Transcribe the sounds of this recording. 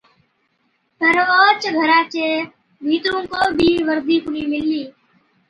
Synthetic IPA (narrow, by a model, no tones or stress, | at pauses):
pəɾoːt͡ʃɡʱəɾãːt͡ʃeː | bʱiːt̪ɾõːkoːbʱiːʋəɾd̪iːkʊniːmɪlːiː